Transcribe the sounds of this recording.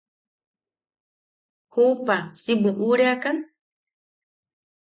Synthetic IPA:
hupasibuʔuɾeakan

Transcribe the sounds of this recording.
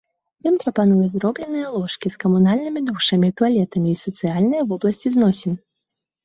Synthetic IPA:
jɔnpɾɐpan̪ujɛzɾɔblʲɛnɨjɐlˠɔʂkʲiskɐmunalʲnɨmʲid̪uʂɐmʲit̪ualʲɛt̪ɐmʲiːsɐt̪sɨjalʲnɐjɐvɔblˠɐsʲt͡sʲiznɔsʲin

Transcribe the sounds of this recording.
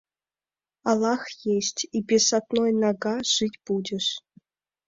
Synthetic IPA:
ɑlˠɑxjeɕʲtʲibʲesɑt̪nojnɑɡɑʂɨtʲpudʲɘ̆ʂ

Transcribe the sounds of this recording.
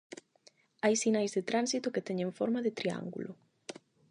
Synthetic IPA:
ajsinajzðet̪ɾansit̪ʊket̪ɛɲeɱfɔɾmaðet̪ɾia̰ŋɡṵlo

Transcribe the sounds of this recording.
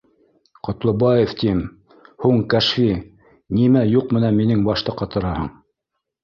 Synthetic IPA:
qŏt̪lˠɤ̆bɑjeft̪im | huɴkæʃfi | nimæjuqmɘ̆nænminɘŋbɑʃt̪ɤqːɑt̪ɤ̆ɾɑhɤ̰ɴ

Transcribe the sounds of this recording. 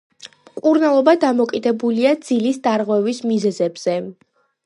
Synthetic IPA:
kʼuɾnalˠɔbad̪amɔkʼid̪ɛbuliad̪z̥ilisd̪aɾʁwɛvismizɛzɛbz̥ɛ

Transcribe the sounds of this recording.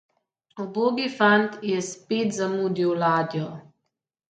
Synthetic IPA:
ɔboːɡifant̪jɛspeːt̪zamuːd̪iwlaːd̪jɔ

